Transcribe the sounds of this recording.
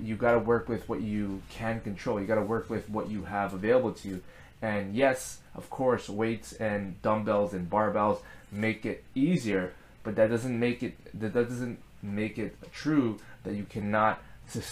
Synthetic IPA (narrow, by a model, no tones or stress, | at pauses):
jɨɡɑɾəwɜ˞kwɨðwʌt͡ʃɨkʰɨ̃nkɨ̃ntʰɹ̥oʊlˠjɨɡɑɾəwɜ˞kwɪðwʌt͡ʃɨəvəveɪlˠəbl̩ˠtʰʉ | ɨ̃njɛsʔʌ̰v̥kʰɔɹsweɪtsɨ̃ndʌ̃mbɛlˠzɨ̃nbɑɹbɛlˠzmeɪkɪɾiziə˞ | b̥ʌt̪̚ðɨt̚d̥ʌzɨ̃nmeɪkɨt̚ðɨt̚d̥ʌdʌzɨ̃n | meɪkɪt̚tʰɹ̥ʉðɨt͡ʃɨkʰænət̚sɨs